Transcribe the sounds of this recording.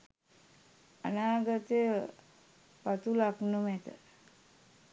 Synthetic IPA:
ə̰naːɡət̪e | pat̪ulaknəmɛt̪ə̰

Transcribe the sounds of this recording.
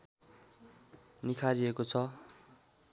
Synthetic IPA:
nikʰaɾiekot͡sʰʌ

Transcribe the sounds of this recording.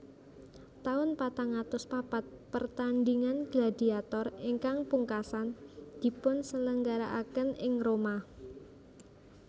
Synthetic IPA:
t̪aʊnpat̪aŋat̪ʊspapat̪̚pərt̪anɖiŋanɡ̥lad̪̥i̤at̪ɔriŋkaŋpuŋkasand̪̥i̤pʊnsələŋɡaɾaʔakənɪŋroma

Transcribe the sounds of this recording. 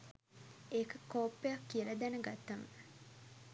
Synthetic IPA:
ekəkoːpːejakːiəlɐd̪ænəɡat̪ːamə̰

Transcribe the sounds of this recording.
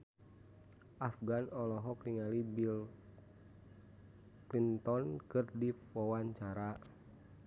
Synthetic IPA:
ʔafɡanɔlɔɦɔkliŋalibil | klint̪ɔnkɨrdi | wawaɲt͡ʃaɾa

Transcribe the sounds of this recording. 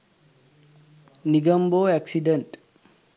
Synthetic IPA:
niɡɐmboːɛksiɖɐnʈ

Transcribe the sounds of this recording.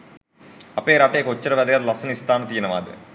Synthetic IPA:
ɐpeːɾɐʈːeːkot͡ʃːɐɾɐʋɐd̪ɐjɐt̪lɐsɐnist̪aːnɐt̪iːnɐʋa̰ːd̪ɐ̰

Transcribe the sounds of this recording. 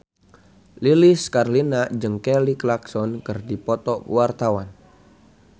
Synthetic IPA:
liliskarlinad͡ʒəŋkɛliklaksɔnkɨrdipɔt̪ɔwart̪awan

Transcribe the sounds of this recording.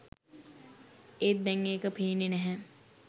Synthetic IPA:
et̪̚b̪ɛŋːeːkəpʰeːnenɛɦɛ̃

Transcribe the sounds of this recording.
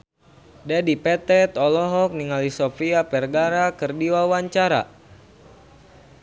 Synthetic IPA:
dadipɛt̪ɛt̪ɔlɔɦɔk̚niŋalisɔfiapɛrɡaɾakɨrdiwawaɲt͡ʃaɾa̰

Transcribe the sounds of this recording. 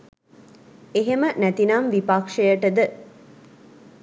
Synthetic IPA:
eɦemənæt̪inamʋipakʂejəʈəd̪ə

